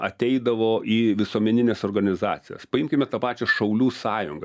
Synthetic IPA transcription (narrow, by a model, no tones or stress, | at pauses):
ɐt̪ʲɛɪd̪ɐʋoːʔiːʋʲɪsuoɔmʲɛnʲɪnʲeːsoːrɡɐnʲɪzɑ̰ːt̪sʲɪjo̰ːspɐɪmʲkʲɪmʲɛt̪ɐpɑːt͡ʃʲɛsʃɐʊlʲuːsɑːjʊŋɡɐ